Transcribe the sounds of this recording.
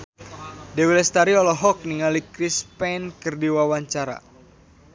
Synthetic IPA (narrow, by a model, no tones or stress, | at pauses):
dɛwilɛst̪aɾiɔlɔɦɔk̚niŋalikɾispɛnkərdiwawaɲt͡ʃaɾa̰